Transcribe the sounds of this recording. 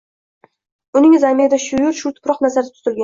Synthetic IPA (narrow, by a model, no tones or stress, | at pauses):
ʊnɪŋɪzamed̪aʃʊjʊɾʃʊt̪ʰʊ̥pɾɒqnazaɾɪ̥t̪ʰʊ̥zɪlɡʲa